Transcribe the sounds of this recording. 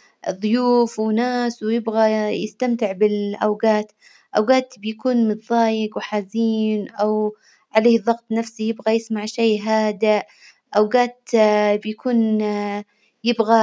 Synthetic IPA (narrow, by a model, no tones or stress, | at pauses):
ðˤʊjuːfwɪnaːswɪjɪbɣajɪst̪amt̪ɪʕbɪlʔawɡaːt̪ | ʔawɡaːt̪bjakuːnmɨt̪ðˤɑːjɪɡwɪħaːziːnʔaw | ʕaleːhðˤɑɣt̪ˤnafsijɪbɣajɪsmaʕʃeːɦaːd̪aʔ | ʔawɡaːt̪bjakʰuːn | jɪbɣa